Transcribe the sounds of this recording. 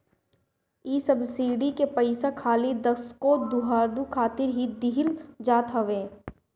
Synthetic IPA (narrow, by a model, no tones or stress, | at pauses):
iːsəbsiːɖikepɐɪsakʰaːlid̪ɐskod̪uɦaːɾd̪ukʰaːt̪ɪɾɦid̪ɪɦɪld͡ʒaːt̪ɦɐʋeː